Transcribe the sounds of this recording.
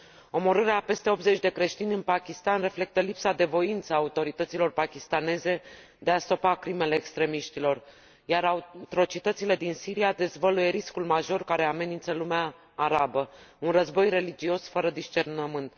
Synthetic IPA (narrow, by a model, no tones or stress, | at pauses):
o̞mo̞ɾɨɾeape̞st̪e̞o̞p̪ze̞t͡ʃʲd̪e̞kɾe̞ʃt̪inʲɨnpakʲist̪anre̞fle̞k̚t̪əlipsad̪e̞vo̞int̪səaːut̪o̞ɾit̪ət̪silo̞rpakʲist̪ane̞ze̞ | d̪e̞ast̪o̞pakɾime̞le̞ːkst̪ɾe̞miʃt̪ilo̞r | jaɾat̪ɾo̞t͡ʃit̪ət̪sile̞d̪insiɾijad̪e̞zvəluje̞ɾiskulmaʒo̞rkaɾe̞ame̞nint̪səlumeaː | ɾabəunrəzbo̞jre̞lid͡ʒio̞sfəɾəd̪iʃt͡ʃe̞rnəmɨnt̪